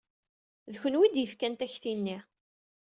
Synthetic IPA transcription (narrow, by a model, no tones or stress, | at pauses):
ðçənwid̪jəfkænt̪æçθinːi